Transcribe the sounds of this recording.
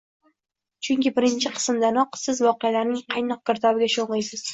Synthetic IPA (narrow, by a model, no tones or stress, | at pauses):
t͡ʃʰʊŋkʲɪbɪɾɪnt͡ʃʰɪqʰɨ̥smd̪anɒqsɪzvɒqejalaɾnɪŋqʰɑjnɒq̚ɡ̥ʲɪɾt̪ʰɒbɪɡʲaʃonlɨjsɪz̥